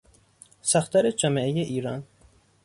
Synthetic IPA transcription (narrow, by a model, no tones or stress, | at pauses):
sæxt̪ʰæɾed͡ʒæmeejeʔiːɾɒn